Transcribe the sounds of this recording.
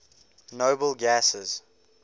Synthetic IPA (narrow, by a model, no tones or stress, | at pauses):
noʊbəlˠɡæsəz̥